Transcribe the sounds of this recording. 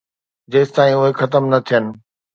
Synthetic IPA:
d͡ʑeːst̪aːĩʊɦexɐt̪̬əmnɐt̪ʰijənɪ̆

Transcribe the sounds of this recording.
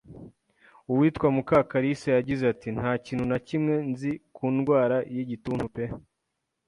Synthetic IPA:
uwiːtkwamukakaɾisajaɟizeatin̥haːciːn̥hunacimŋe̞nzikuːnɡwaːɾajiɟituːn̥hupe

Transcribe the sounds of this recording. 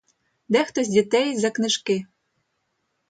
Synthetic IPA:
d̪ɛxt̪osʲdʲit̪ɛjzɑknɘ̆ʃke

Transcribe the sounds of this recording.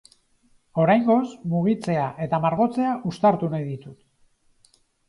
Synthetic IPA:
o̞ɾajŋɡo̞smuɣ̞it͡se̞aʔe̞t̪amaɾɣo̞t͡se̞aʔust̪aɾt̪unaðit̪ut̪

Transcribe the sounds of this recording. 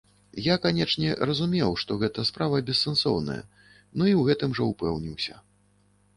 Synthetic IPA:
jakanʲɛt͡ʂnʲɛɾɐzumʲɛwʂt̪ɔɣɛt̪ɐspɾavɐbʲɛsːɛnsɔ̰wnɐ̰jɐ̰ | nuiwɣɛt̪ɨmʐɐupɛwnʲiwsʲɐ̰

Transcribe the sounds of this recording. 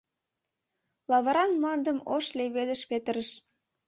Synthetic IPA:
lɑβɑɾɑnmlɑnd̪ə̆moʃleβed̪ə̆ʃpet̪əɾə̆ʃ

